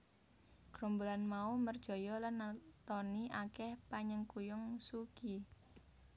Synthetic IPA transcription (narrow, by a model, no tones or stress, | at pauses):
ɡ̥ɾɔmbolanmaumərd̥ʒ̥ɔ̤jɔlanːat̪ɔniʔakɛhpaɲəŋkujʊŋsuki